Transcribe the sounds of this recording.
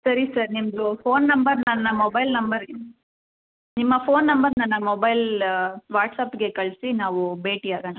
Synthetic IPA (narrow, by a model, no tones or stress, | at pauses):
sɐɾisɐɾnimɐd̪ufʰoːnːɐmbɐɾnɐnːɐmobɐjlnɐmbɐɾ | nimːɐpoːnːɐmbɐɾnɐnːɐmobɐjlʋaːʈsaːpɡe̞kɐɭsinaːʋubeːʈiaːɡɐnɐ